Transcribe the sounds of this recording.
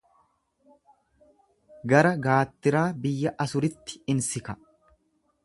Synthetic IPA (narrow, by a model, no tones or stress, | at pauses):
ɡɐɾɐɡaːt̪ːɪɾaːbɪjːɐʔɐsʊɾɪt̪ːɪ̥ɪnsɪkɐ